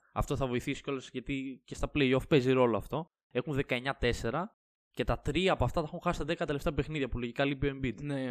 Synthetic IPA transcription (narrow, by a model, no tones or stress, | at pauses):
ɐ̰ft̪o̞θɐvo̞iθisi̥colosʝɐt̪icest̪ɐpleio̞fpe̞ziɾo̞loɐft̪o̞ | exunðe̞kɐe̞ɲɐt̪e̞se̞ɾɐ | ce̞t̪ɐt̪ɾiɐːpoɐft̪ɐt̪ɐxuŋxɐsi̥t̪ɐðe̞kɐt̪e̞left̪eɐpexniðʝɐpulo̞ʝikɐlipiembit̪ne